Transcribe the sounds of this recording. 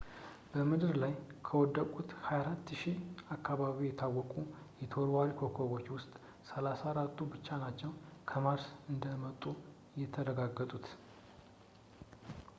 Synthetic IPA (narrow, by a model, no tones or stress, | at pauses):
b̥əmɨd̪ɨɾlajkʰəwɔd̪ːəkʼut̪hajaɾat̪ːʃiakʰːaβaβijɛt̪ʰawːɔkʼu | jɛt̪ʰo̞ɾwaɾikʰo̞kʰoβo̞t͡ʃːwʊst̪ʼ | səlasaɾat̪ːubɨt͡ʃːanat͡ʃːɛwnkʰəmaɾsɨnd̪əmət̪ʼːu | jɛt̪ʰəɾəɡaɡːət̪ʼut̪